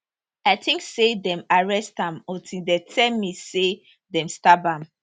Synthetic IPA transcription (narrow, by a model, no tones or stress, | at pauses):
aɪtʰĩŋksedɛ̃maɹɛstãmɔ̃tʰĩdɛtʰɛmise | dɛ̃mstabãm